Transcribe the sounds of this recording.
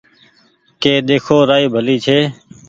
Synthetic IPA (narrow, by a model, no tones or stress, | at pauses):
keːɗ̪eːkʰoːɾaːiːbʱəliːt͡ʃʰeː